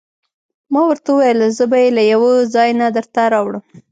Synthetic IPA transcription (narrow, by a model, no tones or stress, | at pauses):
mɑwəɾt̪aəwajəlzəbajelajawəzɑjnad̪əɾt̪aɾɑwɽəm